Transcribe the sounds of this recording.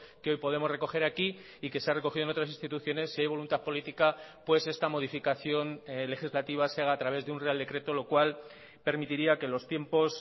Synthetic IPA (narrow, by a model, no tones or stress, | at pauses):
keo̞jpo̞ðe̞moreko̞xe̞ɾaki | ike̞seare̞ko̞xiðonot̪ɾas̬ĩnst̪it̪uθjo̞ne̞sːiajβ̞o̞lunt̪aθpo̞lit̪ikapwe̞se̞st̪amo̞ð̞ifikaθjo̞nle̞xizlat̪iβ̞aseaɣaːt̪ɾaβe̞zðeunre̞ald̪e̞kɾe̞t̪o̞lo̞kwal | pe̞ɾmit̪iɾiake̞lo̞st̪je̞mpo̞s